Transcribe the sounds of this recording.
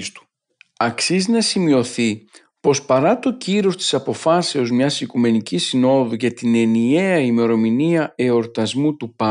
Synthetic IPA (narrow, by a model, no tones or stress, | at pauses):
st̪u̥ | ɐksiznɐsimio̞θi | po̞spɐɾɐt̪o̞ciɾo̞st̪i̥sɐpo̞fɐse̞o̞zmɲɐsikume̞nicisino̞ðuʝɐt̪ine̞nie̞ɐime̞ɾo̞miniɐe̞o̞ɾt̪ɐzmut̪upɐ